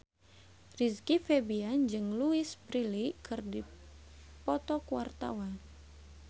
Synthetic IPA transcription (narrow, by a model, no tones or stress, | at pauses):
riskifebiand͡ʒɨŋluɪsbɾilikɨrdi | pɔt̪ɔkua̰rt̪a̰wan